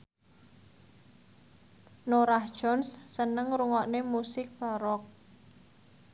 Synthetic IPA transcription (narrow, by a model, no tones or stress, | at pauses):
noɾahd̥ʒ̥ɔ̤nsːənəŋɾuŋɔʔnemusɪk̚b̥aɾɔk̚